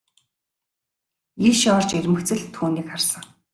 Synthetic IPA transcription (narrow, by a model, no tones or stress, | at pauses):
iʃɔrt͡ɕermɘ̆xt͡sɘ̆ɮt̪ʰuːniːkχarsə̆ŋ